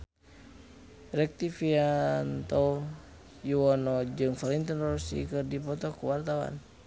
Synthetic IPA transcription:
rɛk̚t̪ifiant̪ɔ | juɔnɔd͡ʒɨŋfɔlint̪ɔnrɔsḭkɨrdipɔt̪ɔkuwart̪awa̰n

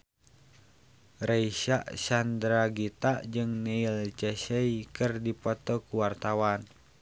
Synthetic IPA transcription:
reiʃaʔsandɾaɡit̪aʔd͡ʒɨŋnɛilt͡ʃɛsɛikɨrdipɔt̪ɔkuwart̪awan

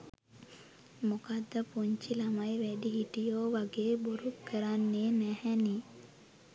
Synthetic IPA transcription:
mokad̪ːəpuɲt͡ʃilamajʋæɖiɦiʈijoːʋaɡeːboɾukʰːəɾanːenæhɛni

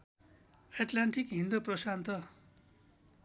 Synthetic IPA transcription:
eʈlaɳʈikɦĩnd̪ʌprʌsant̪ʌ

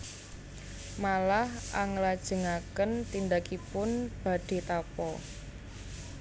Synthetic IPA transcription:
malahʔaŋlad̥ʒ̥ə̤ŋakənt̪ind̪akipʊnb̥a̤ɖ̥e̤t̪apɔ

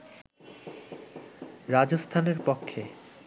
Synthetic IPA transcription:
ɾad͡ʑost̪ʰaneɾpokʰːe

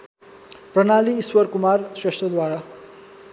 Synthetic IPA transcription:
prʌnaliːswʌɾkumarsresʈrʌd̪waɾa

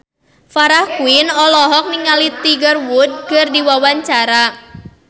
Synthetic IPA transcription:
faɾahkuinɔlɔɦɔk̚niŋalit̪iɡərwud̚kɨrdiwawaɲt͡ʃaɾa

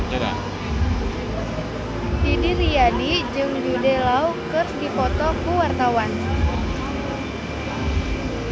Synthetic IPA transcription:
a | didiɾijadid͡ʒɨŋdudɛlaukɨrsdipɔt̪ɔkuwart̪awan

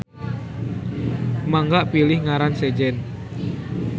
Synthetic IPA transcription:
maŋɡaʔpilɪhŋaɾansed͡ʒɛn

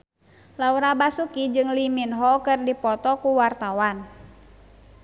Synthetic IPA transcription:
lauɾabasukid͡ʒɨŋliminɦɔkɨrdipɔt̪ɔkuwart̪awan

